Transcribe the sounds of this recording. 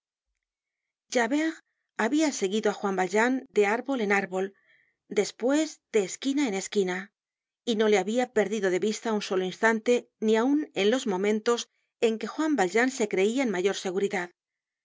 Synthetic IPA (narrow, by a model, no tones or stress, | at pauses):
ʒaβeʁ | aβiase̞ɣiðoaxwambalʒand̪e̞aɾβo̞le̞naɾβo̞l | d̪e̞spwe̞zd̪e̞ːskinae̞neskina | ino̞le̞aβiape̞ɾðiðo̞ðe̞βist̪aunso̞loinst̪ant̪e̞ | niaune̞nlo̞zmõ̞mẽnt̪o̞s | e̞ŋke̞xwambalʝanse̞kɾe̞iaenmaʝo̞ɾse̞ɣuɾiðað